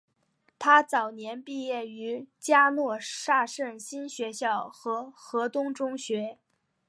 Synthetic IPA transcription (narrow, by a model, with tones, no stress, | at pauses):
t̪ʰa˥t͡sɑ˨˩ʊnjɛ˧˥npi˥˧jɛ˥˩y˧˥t͡ɕja˥nwɔ˥˧ʂa˥˧ʂə˥˩nɕi˥nɕɥɛ˧˥ɕjɑ˥˩ʊxɤ˧˥xɤ˧˥t̪ʊ˥ŋʈ͡ʂʊ˥ŋɕɥɛ˧˥